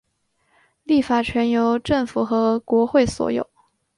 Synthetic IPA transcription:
li˥˩fa˨˩t͡ɕʰɥɛ˧˥njo˧˥ʊʈ͡ʂɤ˥˩ŋfu˨˩xɤ˧˥kwɔ˧˥xwe˥˩ɪswɔ̰˨˧˩jo̰˨˩˦ʊ

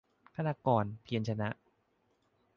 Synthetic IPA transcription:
kʰa˧naː˧kɔː˧npʰi˧ənt͡ɕʰa˧na˦˥ʔ

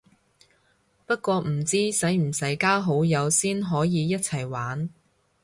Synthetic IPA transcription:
pɐ˥t̚kʷɔː˧m̩˨˩t͡siː˥sɐ˨˥jm̩˨˩sɐ˨˥jkaː˥ɦo˨˥wjɐ˨˧wsiː˥nɦɔː˨˥jiː˨˧jɐ˥t̚t͡sʰɐ˨˩jwaː˨˥n

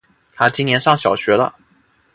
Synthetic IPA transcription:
t̪ʰa˥t͡ɕi˥njɛ˧˥nʂɑ˥˩ŋɕjɑ˨˩ʊɕɥɛ˧˥lə̰˦

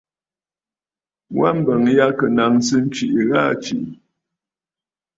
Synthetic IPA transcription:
wa˦˨m̩˨bə˨ŋja˦kə˨na˨ŋsɨ˦n̩˦t͡ʃi˨ʔɣa˦˨t͡ʃi˨ʔ

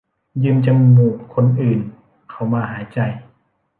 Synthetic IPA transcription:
jɯː˧mt͡ɕa˧mŋuː˧˩t̚kʰo˧nʔɯː˨˩n | kʰa˧˩wmaː˧ɦaː˩˦jt͡ɕa˧j

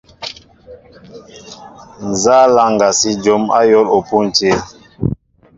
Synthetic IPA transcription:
n̩˨za˦la˨ŋɡa˨si˦d͡ʒo˨˦ma̰˦jɔ˦lo˨pu˦n̩˨te˦

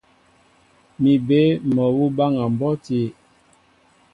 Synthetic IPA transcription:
mi˨be˦mɔ˨wu˦ba˦ŋa˨m˨bɔ˦ti˨˦

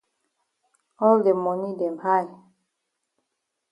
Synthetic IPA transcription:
ɔ˦lde˨mɔ˨ni˦dɛ˨mha˦˨j

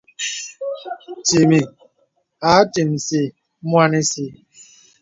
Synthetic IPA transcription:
ti˨mi˨ | a˨˦ti˨m̩˨si˦ | mʷ˦a˦ni˦si˦

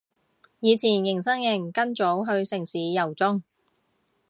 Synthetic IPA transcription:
jiː˨˧t͡sʰiː˨˩njɪ˨˩ŋsɐ˥ŋjɪ˨˩ŋkɐ˥nt͡so˨˥wɦɵ˧ɥsɪ˨˩ŋsiː˨˥jɐ˨˩wt͡sʊ˥ŋ

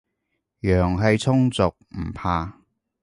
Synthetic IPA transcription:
jœː˨˩ŋɦɐ˨jt͡sʰʊ˥ŋt͡sʊ˨k̚m̩˨˩pʰaː˧

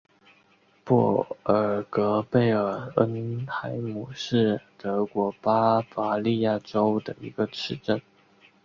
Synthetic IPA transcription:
pɔ˥˩ə˨˩kɤ˧˥pe˥˩ɪə˞˨˩ə˥nt̪ʰa˧˥ɪmu˨˩ʂɻ̩˥˩t̪ɤ˧˥kwɔ˧˥pa˥fa˧˥li˥˧ja˥˩ʈ͡ʂo˥ʊd̪ə˨˩ḭ˧˥ɡə˧ʈ͡ʂʰɻ̩˥˧ʈ͡ʂə˥˩n

